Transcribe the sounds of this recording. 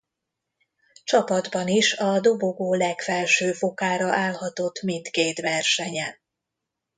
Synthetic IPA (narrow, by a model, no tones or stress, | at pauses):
t͡ʃɒpɒd̪bɒniʃɒd̪o̞bo̞ɡoːlɛkfɛlʃøːfokaːɾɒʔaːlhɒt̪o̞t̪ːmint̪keːt̪ʋɛrʃɛɲɛn